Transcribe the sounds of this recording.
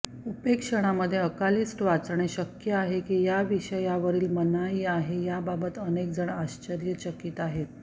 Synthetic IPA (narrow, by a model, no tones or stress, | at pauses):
upekʂəɽ̃aməd̪ʱːjeəkaliːsʈʋat͡sɳ̃eɕəkjəaɦekiːjaʋiɕəjaʋəɾiːlmənaiːaɦejababət̪ənek̚d͡zəɳaɕt͡ɕəɾjət͡ɕəkiːt̪aɦet̪̚